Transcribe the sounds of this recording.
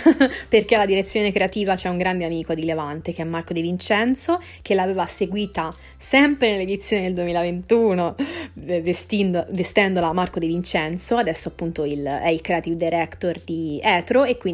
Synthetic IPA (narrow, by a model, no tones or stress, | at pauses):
perk̟ealːad̪iɾet̪sːjoːnekɾeat̪iːvat͡ʃɛuŋɡɾand̪eamiːkod̪ilevant̪ek̟eɛmːarkod̪ivint͡ʃɛnt̪so | k̟elaːveːvaseɡwiːt̪a | sɛmpɾenelːed̪it̪sːjoːnid̪eld̪uemiːlavent̪uːno | vest̪ind̪ovest̪ɛnd̪olamarkod̪ivint͡ʃɛnt̪soad̪ɛsːoapːunt̪oilɛilkɾeat̪ivd̪eɾɛkt̪ord̪iɛːt̪ɾoekːwi